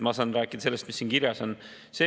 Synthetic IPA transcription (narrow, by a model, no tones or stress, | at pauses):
mɑsɑnɾæːkːˑid̪̥ɑse̞lːest̪misːiːnkiɾjɑso̞n | se̞ː